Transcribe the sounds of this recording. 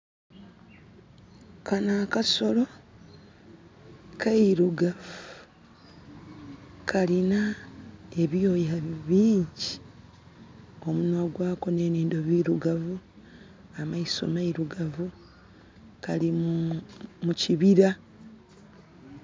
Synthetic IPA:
kʰanaːkaso̞lo̞ | kʰaiɾuɡavu | kʰalina | e̞βjo̞ːjaβiːɲɟi | o̞munwaɡwaːko̞ne̞ːniːndo̞βiɾuɡavu | amaiso̰maiɾuɡavu | kalim | muciβiɾa

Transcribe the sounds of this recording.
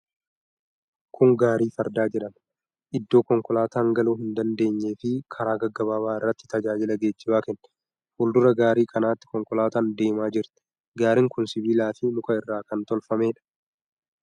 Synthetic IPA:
kʰʊŋɡaːɾiːfɐɾd̪aːd͡ʒɛᶑɐm | ʔɪd̪ːo̞ːkɔŋkɔlaːt̪aːŋɡɐluːhɪnd̪ɐnd̪e̞ːɲːe̞ːfɪkʰɐɾaːɡɐɡːɐβaːβaːɪrːɐt̪ːɪ̥t̪ɐd͡ʒaːd͡ʒɪlɐɡeːt͡ʃːɪbaːkɛnː | huːld̪ʊɾɐɡaːɾiːkʰʼɐnaːt̪ːɪ̥kɔŋkɔlaːt̪aːnd̪e̞ːmaːd͡ʒɪɾt̪ɛ̥ | ɡaːɾɪŋkʊnsɪbiːlaːfɪnʊkʼɐɪrːaːkɐnt̪ɔlfɐme̞ːᶑɐ̥

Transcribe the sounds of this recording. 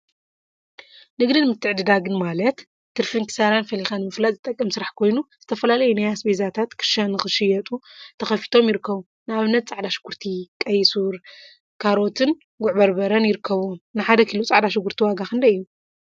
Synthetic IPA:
nɨɡd̪ɨnmɨt̪ʰːɨʕd̪ɨd̪aɡɨnmalɐt̪ | t̪ːɨɾfiŋkʰɨ̥saɾanfɐlixanɨmɨflat̪ʼzɨt̪ʼɐkʼːɐmsɨɾaħkʰo̞jnuz̥ɨt̪ʰɐfɐlalɐjunajasbezat̪ʰat̪kʰɨ̥ʃanɨxɨʃɨjɐt̪ʼut̪ʰɐxɐfi̥t̪ʰo̞mjɪɾɨkʰːɐβu | nɨaβnːɐt̪̚t͡sʼaʕd̪aʃɪ̥ɡ̥uɾt̪ʰikʼɐjsuɾ | kʰaɾo̞t̪ʰɨn | ɡʊʕbɐɾbɐɾɐnjɪɾɨkʰːɐβunɨħad̪ɐkʰilut͡sʼaʕd̪aʃɨɡːuɾt̪ʰiwaɡaxɨnd̪ɐɨjːu

